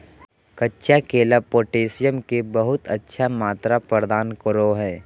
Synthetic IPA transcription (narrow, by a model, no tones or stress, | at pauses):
kɐtːʃakeːlapoːʈeːsijəmkebəɦʊt̪ətːʃʰamaːt̪ɾapəɾd̪aːnkəɾoɦɛː